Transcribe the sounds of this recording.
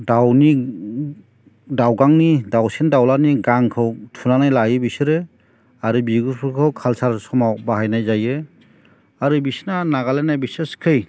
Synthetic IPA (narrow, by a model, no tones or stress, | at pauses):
dawni | dawɡaŋnidawsendawlaniɡaŋkʰɯwtʰunanajlajɯbisɯɾɯ | aɾɯbiɡupʰɯkʰɯwkʰalsaɾsɔmawbaɦajnajzajɯ | aɾɯbisnanaɡalenajbiseskʰɯj